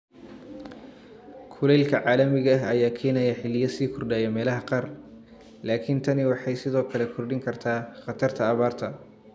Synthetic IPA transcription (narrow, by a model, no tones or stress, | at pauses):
kʰʊlɛjlkʰɐʕɑːlɐmɪɣɐɦɐjaːkʰɛːnɐjɐħɪlɪjɐsiːkʰʊrɖaːjɛmɛːlɐɦɐqɑr | laːkʰɪnt̪ʰɐnɪwɑħɑjsɪðɔːkʰɐlɛkʰʊrɖɪŋkʰɐrt̪ʰaːχɑt̪ʰɐrt̪ʰɐːβaːrt̪ʰɐ